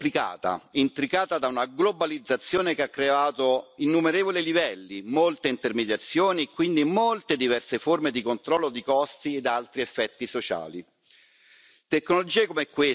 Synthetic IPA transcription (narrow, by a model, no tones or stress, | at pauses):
plika̰ːt̪a̰int̪ɾikaːt̪ad̪aunaɡlobalid̪zːat̪sːjoːnekeakːɾeaːt̪oinːumeɾeːvolilivɛlːimolt̪eint̪ermed̪jat̪sːjoːniekːwind̪imolt̪ed̪ivɛrseformed̪ikont̪ɾɔlːod̪ikɔst̪ied̪alt̪ɾiefːɛt̪ːisot͡ʃa̰ːli | t̪ekːnolod͡ʒiːekomɛkːwe